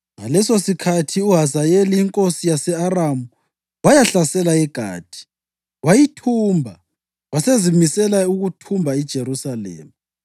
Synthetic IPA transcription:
ŋalɛsosikʰatʰiuɦazajeliːŋkʼosijasɛaramu | wajaɬasɛlaɛɡ̥ʱa̰ːtʰʼi̥ | wajitʰuːmbʱa | wasezimisɛlauɣutʰumbʱaid̥ʒ̥ʱerusalḛːmi

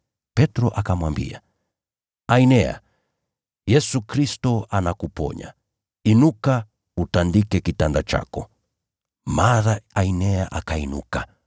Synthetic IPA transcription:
pɛtɾɔʔakamwambḭa | ainɛa̰ | jɛsukɾistɔanakupɔ̰ɲa̰ | inuka | utandikɛkitandat͡ʃa̰kɔ | maɾaainɛaʔakainṵka

